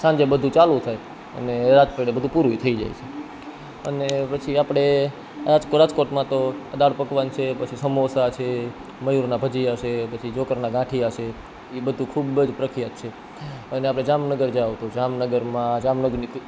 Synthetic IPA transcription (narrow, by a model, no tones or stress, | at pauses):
sãɲd͡ʒebəd̪ʱũt͡ʃalut̪ʰaj | ə̰neɾad͡ʒpeɽebəd̪ʱũpuɾuit̪ʰəid͡ʒa̰jt͡ʃʰe | ə̰nepət͡ʃʰiapɽ̃e | ad͡ʒkoɾad͡ʒkoʈmãt̪oəd̪aɽpəkʋant͡ʃʰepət͡ʃʰisəmosat͡ʃʰe | məjuɾnabʱəd͡ʒijaʃepət͡ʃʰid͡ʒokəɾnaɡãʈʰiaʃe | ibəd̪ʱũkʰubəd͡ʒpɾəkʰijat̪t͡ʃʰe | əneapɽ̃ed͡ʒamnəɡəɾd͡ʒaʋt̪od͡ʒamnəɡəɾmãd͡ʒamnəɡni